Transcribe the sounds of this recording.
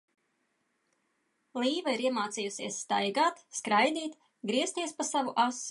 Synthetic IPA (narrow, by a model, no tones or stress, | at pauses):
lˠiːvaiɾiɛmaːt̪siːjusiɛsːt̪ajɡaːt̪skɾajd̪iːt̪ | ɡɾiɛst̪iɛspasavuʔas